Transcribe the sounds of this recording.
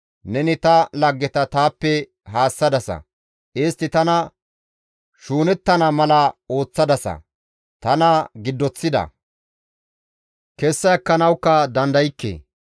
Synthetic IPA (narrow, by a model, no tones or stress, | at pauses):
nɛnɪt̪ɐlɐɡːɛt̪ɐt̪aːpːɛ | ɦaːsːɐd̪ɐsɐ̰ | ʔɪst̪ːɪt̪ɐnɐ | ʃuːnɛt̪ːɐnɐmɐlɐo̞ːt͡sːɐd̪ɐsɐ̰ | t̪ɐnɐɡɪd̪ːɔt͡sːɪd̪ɐ̰ | kɛsːɐjɐkːɐnɐwkːɐd̪ɐnd̪ɐjɪkːḛː